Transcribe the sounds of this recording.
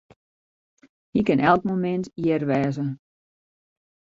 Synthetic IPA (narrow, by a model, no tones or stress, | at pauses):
hikɪnʔɛlˠkmomɪntjərʋɛːzə